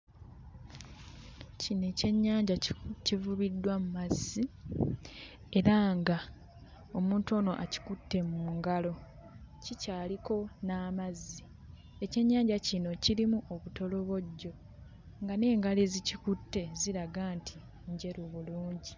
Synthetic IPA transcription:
cine̞ce̞ɲːaːɲɟacivuβidːwamumazːi | e̞ɾaŋɡa | o̞muːnto̞ːno̞ʔaci̥kutːe̞muŋɡalo̞ | cicaːliko̞naːmazːi | e̞ce̞ɲːaːɲɟacino̞ciɾimuʔoβuto̞lo̞βo̞ɟːo̞ | ŋɡane̞ːŋɡalezicikutːe̞ziɾaɡaːntʰi | ɲɟe̞ɾuβuluːɲɟi

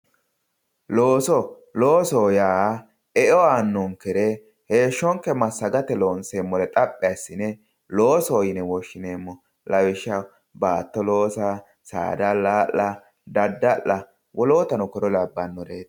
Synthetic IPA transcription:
loːsɔ | lo̞ːsɔjaː | ɛɔaːnːɔŋkɛɾɛ | he̞ːʃːɔŋkːɛmɐsːɐɡɐt̪ɛloːnseːmːɔlɛt̪ʼɐpʼːɪɐsːɪnɛ | loːsɔːjɪnɛwɔʃːɪneːmːɔ | lɐwɪʃːɐ | baːt̪ːɔlo̞ːsɐ | sa̰ːd̪ɐlaːʔɐ | d̪ɐd̪ːɐʔːɐ | wʔɔloːt̪ɐnʊkɔɾɔlɐbːanːɔɾeːt̪

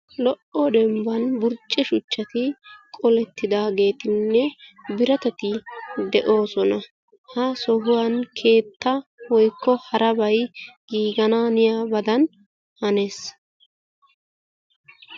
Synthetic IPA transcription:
lɔʔɔd̪ɛmbɐnbʊɾt͡ʃʼːɛʃʊt͡ʃːɐt̪ɪkʼɔlɛt̪ːɪd̪aːɡe̞ːt̪ɪnːɛbɪɾɐt̪ɛt̪ɪd̪ɛʔo̞ːsɔnɐ | hɐsɔɦʊwɐnkʰe̞ːt̪ːɐwɔjkːɔhɐɾɐbɐjɡ̥iːɡɐnaːnɪjaːbɐd̪ɐn | hɐne̞ːs

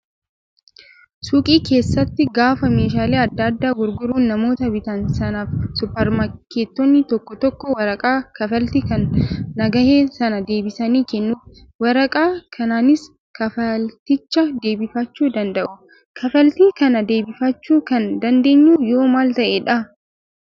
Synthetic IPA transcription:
suːkʼiːke̞ːsːɐt̪ːɪɡaːfɐme̞ːʃ̬aːleːɐd̪ːɐd̪ːaːɡʊɾɡʊɾuːnːɐmo̞ːt̪ɐbɪt̪ɐnsɐnaːfsʊpːɐɾmɐkːeːt̪ːɔnːɪt̪ɔkːɔt̪ɔkːɔwɐɾɐkʼaːkɐfɐlt̪ikɐnːɐɡɐheːsɐnɐd̪e̞ːbɪsɐniːkɛnːuːf | wɐɾɐkʼaːkʰɐnaːnɪs | kɐfɐlt̪ɪt͡ʃːɐd̪e̞ːbɪfɐt͡ʃːuːd̪ɐnd̪ɐʔʊ | kʰɐfɐlt̪iːkɐnɐd̪e̞ːbɪfɐt͡ʃːuːkɐnd̪ɐnd̪e̞ːɲːuːjo̞ːmaːlt̪ɐʔeᶑɐ

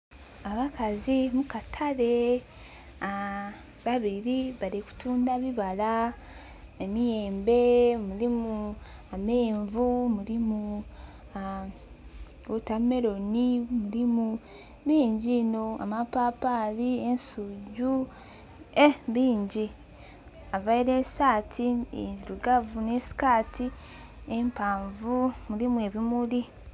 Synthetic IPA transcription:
aβakʰazimukatʰaɾe | a | βaβiɾiβaɾeku̥tuːndaβiβala | emije̞ːmbe̞muɾimuame̞ːɱvumuɾimu | a | otame̞ɾo̞nimuɾimu | βiːɲɟino̞a̰mapapaliensuɟu | eβiːɲɟi | avaiɾe̞saːtʰiḛziɾuɡavunesi̥kaːtiempaːɱvumuɾimue̞βimuɾi

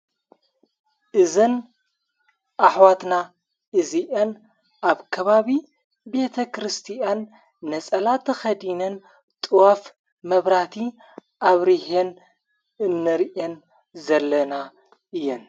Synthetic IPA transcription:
ʔɨzɨn | ʔaħwat̪na | ʔɨziʔɐn | ʔaβkʰɐβaβi | be̞t̪ʰɐkɾɨst̪ʰianː | ɐt͡sʼɐlat̪ʰɐxɐd̪inɐn | t̪ʼɨwaf | mɐβɾat̪ʰi | ʔaβɾihen | ɨnːɨɾʔen | zɐlːɐna | ʔɨjːɛn

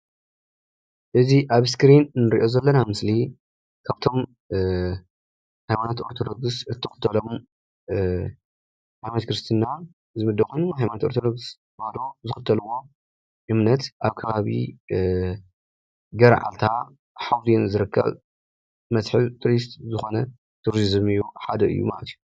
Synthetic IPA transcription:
ʔɨziʔaβskɾinnːɨɾiʔo̞zɐlːɐnamɨsli | kʰaβt̪ʰo̞m | hajmanat̪o̞ɾt̪ʰo̞d̪o̞ɡsɨt̪ʰːɨxɨ̥t̪ʰɐlom | hajmant̪kɾɨst̪ʰinːa | zɨmɨd̪ːɐkxʰo̞jnuhajmanat̪oɾt̪ʰod̪oɡs | ad̪ozɨxɨt̪ʰːɐlɨwːo̞ | ʔɨmnɐt̪ʔaβkʰɐβaβḭ | ɡɐɾʕa̰lt̪ʰa | ħawt̪inzɨɾɨkʰːɐ̰β | mɐtħɨlt̪ʰɾist̪zɨxo̞nɐ | t̪ʰuɾzizɨmɨjuħad̪ɐʔɨ̰jːṵma̰lɐt̪ʰiju

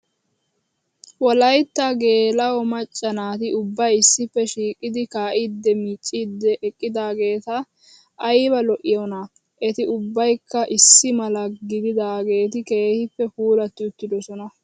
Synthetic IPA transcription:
wɔlɐjt̪ːɐɡe̞ːlɐwɔmɐt͡ʃʼːɐnaːt̪ɪʔʊbːɐjɪsːɪpːɛʃiːkʼɪd̪ɪkaːʔɪd̪ːɛmit͡ʃʼːiːd̪ːɛʔɛkʼːɪd̪aːɡe̞ːt̪ɐ | ʔːjbɐlɔʔɪjɔnɐ | ʔɛt̪ɪʊbːɐjkːɐʔɪsːɪmɐlɐɡɪd̪ɪd̪aːɡe̞ːt̪ɪke̞ːhɪpːɛfuːlɐt̪ːɪʊt̪ːɪd̪ɔsɔnɐ

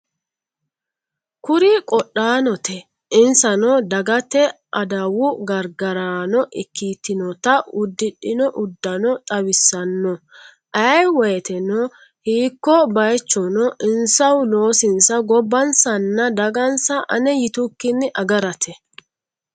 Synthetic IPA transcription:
kʊɾɪkʼɔɗaːnɔt̪ɛ | ɪnsɐnɔd̪ɐɡɐt̪ɛ | ʔɐd̪ɐwʊɡɐɾɡɐɾaːnɔʔɪkːiːt̪ːɪnɔt̪ɐʊd̪ːɪɗɪnɔʔʊd̪ːɐnɔt̪ʼɐwɪsːɐnːɔ | ʔɐjwɔjɛt̪ɛnɔ | hiːkːɔbɐjt͡ʃːɔnɔʔɪnsɐwlo̞ːsɪnsɐɡɔbːɐnsɐnːɐd̪ɐɡɐnsɐʔɐ̰nɛjɪt̪ʊkːɪnːɪʔɐɡɐɾɐt̪ɛ

